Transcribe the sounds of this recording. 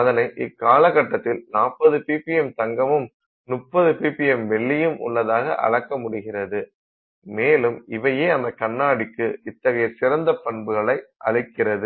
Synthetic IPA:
ɐðɐnɐɪʔɪkːaːlɐɣɐʈːɐt̪ːɪlnaːpːɐðɯpiːpɪɛmt̪ɐŋɡɐmɯm | nʊpːɐðɯpiːpɪjɛmʋɛɭːɪjɯmʔʊ̰ɭːɐðaːɣɐ̰ʔɐ̰ɻɐkːɐmʊɽɯɣɪrɐðɯ | meːlɯmɪʋɐjeːɐmɐɪkːɐɳːaːɽɪkːɯɪt̪ːɐɣɐjɐsɪɾɐnd̪ɐpːɐɳbɯɣɐɭɐɪʔɐɻɪkːɪrɐðɯ

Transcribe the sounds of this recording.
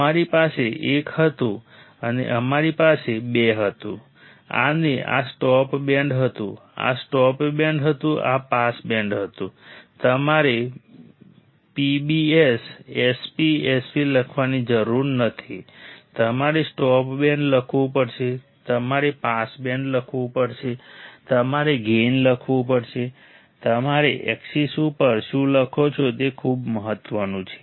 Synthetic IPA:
əmaɾipaseʔekhət̪ũ | ənḛʔəmaɾipasebeɦət̪ṵ̃ | a̰neʔa̰sʈɔpbɛ̃ɳɖɦət̪ṵ̃a̰sʈɔpbɛɳɖɦət̪ũʔa̰pasbɛ̃ɳɖɦət̪ũt̪əmaɾe | pibiesespiesfiləkʰʋanid͡ʒəɾuɾnət̪ʰit̪əmaɾesʈɔpbɛ̃ɳɖləkʰʋũpəɾt͡ʃʰe | t̪əmaɾepasbɛ̃ɳɖləkʰʋũpəɾt͡ʃʰet̪əmaɾeɡenləkʰʋũpəɾt͡ʃʰe | t̪əmaɾeʔɛ̰ksisupəɾʃũləkʰot͡ʃʰot̪ekʰubməɦət̪ːʋənũt͡ʃʰe̥

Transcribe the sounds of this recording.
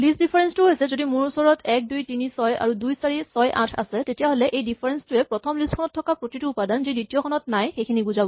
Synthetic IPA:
lisdipʰaɹɛnstuɦojsɛzodimʊɹusɔɹɔtʰɛk̚dujtinisɔja̰ɹudujsaɹisɔjʔã̰tʰa̰sɛtetijaɦolɛʔejdipʰaɹɛnstuɛpɹɔtʰɔmliskʰɔnɔtʰːɔkapɹotituupadanzidɹitijɔkʰɔnɔtnajxejkʰiniɡuzabɔ

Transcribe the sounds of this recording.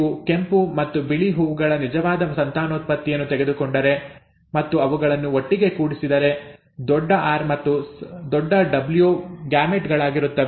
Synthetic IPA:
uke̞mpumɐt̪ːubiɭiɦuːʋɡɐɭɐnid͡ʒɐʋaːd̪ɐsɐnt̪aːnoːt̪̚pɐt̪ːijɐnːut̪eɡed̪ukoɳɖɐɾe̞ | mɐt̪ːuɐʋuɡɐɭɐnːuoʈːiɡe̞kuːɽisid̪ɐɾe̞ | d̪ɔɖːɐʔaːɾmɐt̪ːud̪ɔɖːɐɖɐbljuɡjaːmeʈɡɐɭaːɡiɾut̪ːɐʋe

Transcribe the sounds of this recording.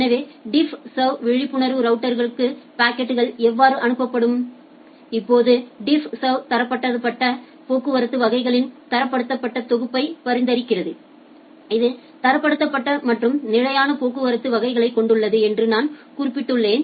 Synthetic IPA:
ɛnɐʋeːɖɪfsɐʋʋɛɻɪpːɯɳɐɾʋɯɾɐʊʈːɐɾɣɐɭɯkːɯpaːkːɛʈːɯɣɐɭɛʋːaːɾɯʔɐnɯpːɐpːɐɽɯm | ɪpːoːðɯɖɪfsɐt̪ɐɾɐpːɐʈːɐðɯpːɐʈːɐ | poːkːɯʋɐɾɯt̪ːɯʋɐɣɐɪɣɐɭɪnt̪ɐɾɐpːɐɽɯt̪ːɐpːɐʈːɐt̪ɔɣɯpːɐɪpɐɾɪnd̪ɐɾɪkːɪrɐðɯ | ɪðɯ | t̪ɐɾɐpːɐɽɯt̪ːɐpːɐʈːɐmɐʈrɯmnɪɻɐjaːnɐpoːkːɯʋɐɾɯt̪ːɯʋɐɣɐɪɣɐɭɐɪkːɔɳɖɯɭːɐðɯɛndrɯnaːnkuːrɪpːɪʈːɯɭːeːn

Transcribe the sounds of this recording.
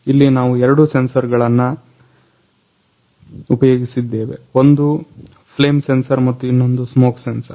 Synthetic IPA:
ilːinaːʋuɛɾɐɽuse̞nsɐɾɡɐɭɐnːɐ | upɐjoːɡisid̪ːe̞ːʋe̞o̞nd̪u | pʰle̞ːmse̞nsɐɾmɐt̪ːuinːo̞nd̪usmoːksensɐɾ

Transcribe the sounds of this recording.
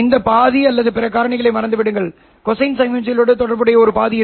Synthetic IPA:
ɪnd̪ɐpaːðiɐlːɐðɯpɪɾɐkːaːɾɐɳɪɣɐɭɐɪmɐɾɐnd̪ɯʋɪɽɯŋɡɐɭ | kɔsɐɪnsɐmɛnsɐɪloːɽɯt̪ɔɽɐɾbɯɽɐjɐɔɾɯpaːðɪjɪ

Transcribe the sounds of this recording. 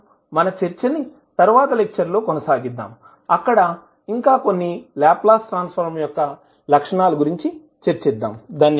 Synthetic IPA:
mɐnɐt͡ʃeɾt͡ʃɐni | t̪ɐɾuʋaːt̪ɐlek̚t͡ʃɐɾlo̞ːkonɐsaːɡid̪ːa̰ːm | ɐkːɐɽɐ | iŋkaːko̞nːilaːplaːsʈɾaːnspʰɐɾmjɔkːɐ | lɐkʂɐɳaːluɡuɾiɲt͡ʃi | t͡ʃeɾt͡ʃɛd̪ːa̰ːmd̪aːnː

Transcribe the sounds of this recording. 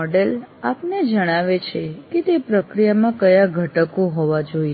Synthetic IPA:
ɔɖelapned͡ʒəɽ̃aʋet͡ʃʰeket̪epɾəkɾijamãkəjaɡʱəʈəkũɦɔʋad͡ʒoie

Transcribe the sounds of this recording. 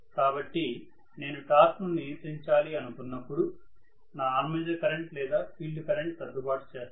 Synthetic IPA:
kaːbɐʈːi | ne̞ːnuʈaːsknuniit̪ːiɲt͡ʃaːliɐnukunːɐpːuɽu | naːaːnmɐd̪ɐkɐɾeɳʈlɛːd̪aːpʰiːlɖkɐɾeɳʈ̚t̪ɐd̪upaːʈt͡ʃeː

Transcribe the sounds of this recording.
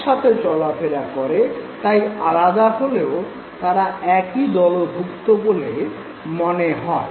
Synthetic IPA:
ʃat̪ʰet͡ɕɔlafʰeɾakɔɾet̪aja̰lad̪aɦoleo | t̪aɾaɛkid̪ɔlob̪ʱukt̪obole | mɔneɦɔe

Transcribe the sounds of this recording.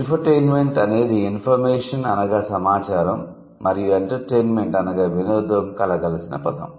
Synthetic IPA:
enpɐɾʈeːnme̞ɳʈɐne̞ːd̪iːnpʰɐɾmɛːʂɐnɐnɐɡaːsɐmaːt͡ʃaːɾɐmː | ɐɾijueɳʈɐɾʈeːnme̞ɳʈɐnɐɡaːʋinoːd̪ʋɐmkɐlɐɡɐlɐsinɐ̰pɐt̪ɐ̰m

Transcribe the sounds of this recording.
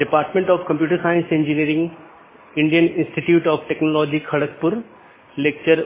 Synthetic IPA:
ɖɪpaːɾʈmẽɳʈɔːfkɐ̃mpjuːʈəɾsaːɪ̃nsɪ̃nd͡ʑiniəɾɪ̃ŋɡ | ɪ̃ɳɖijənɪ̃nsʈiʈjuːʈɔːfʈeːknolɔːd͡ʑikʰɐɽəkpʊɾ | leːk̚t͡ɕəɾ

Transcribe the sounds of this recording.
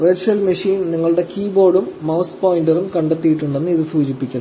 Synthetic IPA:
ʋert͡ɕuɐlmɐʂiːnniŋːɐɭuɽe̞kiːbo̞ːɽumːɐwspoːjinɖɐrumkɐɳɖet̪ːijiʈːuɳɖenːɨiðɨsuːd͡ʑipːikʲːun

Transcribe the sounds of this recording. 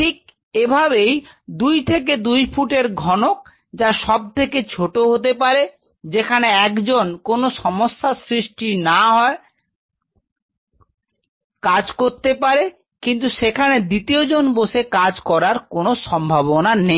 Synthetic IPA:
ʈʰik̚ | ebʱabej | d̪ujt̪ʰek̬ed̪ujfuʈeɾɡʱɔnok̚ | d͡ʑaʃɔb̚t̪ʰeket͡ɕʰoʈoɦot̪̬epaɾe | d͡ʑekʰaneɛkd͡ʑonkonoʃɔmoʃːasɾiʃʈinaɦɔe | kad͡ʑkoɾt̪epaɾe | kint̪̬uʃekʰaned̪it̪iod͡ʑonboʃekad͡ʑkɔɾaɾkonoʃɔmbʱaβonane

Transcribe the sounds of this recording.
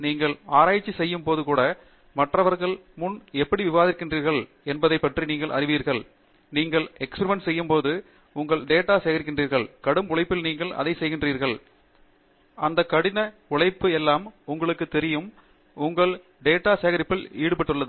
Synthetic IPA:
niːŋɡɐɭaːɾaːjɪt͡ʃːisɛjːɯmpoːðɯkuːɽɐ | mɐʈrɐʋɐɾɣɐɭmʊnɛpːɐɽiʋɪʋaːðɪɾkːɪndriːɾɣɐɭ | ɛnbɐðɐɪpːɐʈriniːŋɡɐɭʔɐ̰ɾɪʋiːɾɣɐɭ | niːŋɡɐɭɛkspɛɾɪmɛnsɛjːɯmpoːðɯ | ʊŋɡɐɭɖeːʈːaːseːɣɐɾɪkːɪndriːɾɣɐɭkɐɽɯmʊɭɐɪpːɪlniːŋɡɐɭʔɐ̰ðɐɪsɛjɣɪndriːɾɣɐɭ | ɐnd̪ɐkːɐɽɪnɐ | ʊɭɐɪpːɯɛlːaːmʊŋɡɐɭɯkːɯt̪ɛɾɪjɯm | ʊŋɡɐɭ | ɖeːʈːaːseːɣɐɾɪpːɪliːɽɯpɐʈːɯɭːɐðɯ

